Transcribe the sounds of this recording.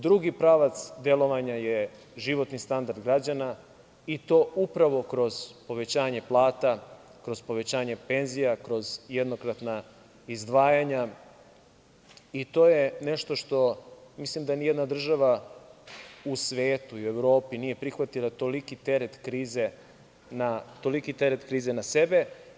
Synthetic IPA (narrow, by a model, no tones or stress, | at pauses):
d̪ɾuɡipɾaʋat̪sd̪elo̞ʋaɲaje | ʒiʋo̞t̪nist̪and̪aɾd̪ɡɾad͡ʑana | it̪o̞ːupɾaʋo̞kɾo̞z̥po̞ʋe̞t͡ɕaːɲe̞plˠaːt̪akɾo̞z̥po̞ʋe̞t͡ɕaːɲepe̞nzijakɾo̞zjed̪nokɾat̪na | izd̪ʋaːjaɲa | it̪o̞ːjeneʃt̪o̞ʃt̪o̞mislimd̪anijed̪nad̪r̩ʒaʋa | usʋeːt̪uiueʋɾo̞ːpiniːje̞pɾixʋat̪ilˠat̪olikit̪e̞ɾet̪kɾiːze̞ | nat̪o̞likit̪eɾet̪kɾiːzenasebe̞